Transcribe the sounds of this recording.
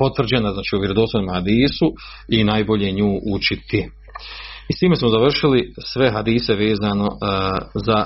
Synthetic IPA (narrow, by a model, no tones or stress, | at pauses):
po̞t̪ʋr̩d͡ʑenaznaːt͡ʃiːuʋjeɾod̪osonimahad̪iːsu | inaːjbo̞ʎeɲuːʔut͡ʃit̪i | ist̪iːmesmozaʋr̩ʃilisʋe̞ɦad̪iːse̞ʋeːzano̞za